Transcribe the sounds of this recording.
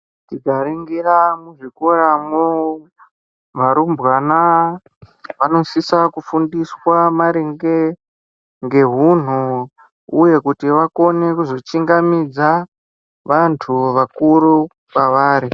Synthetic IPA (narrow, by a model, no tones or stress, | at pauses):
tiɡaɾiŋɡiramuʐikoɾamo | ʋaɾumbwana | ʋano̞sisakufundiswamaɾeŋɡe | ŋɡe̞ɦun̤u | uje̞kutiʋako̞ne̞kuzo̞t͡ʃiŋɡamid͡za | ʋantʰuʋakuɾu | kaʋaːɾi